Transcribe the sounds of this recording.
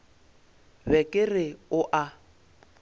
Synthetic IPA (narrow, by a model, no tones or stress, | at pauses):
bɛkʼɪrɪʊʔa